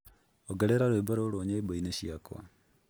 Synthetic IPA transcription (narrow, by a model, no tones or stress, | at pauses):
oɡɛɾeɾaɾweːboɾoɾoːɲeboineʃiakwa̰